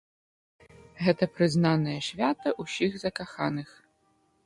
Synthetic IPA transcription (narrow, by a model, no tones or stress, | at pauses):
ɣɛt̪ɐpɾɪznɑnɐjɛʃʲʋʲat̪ɐʔusʲiɣzɐkɐxɑnɪx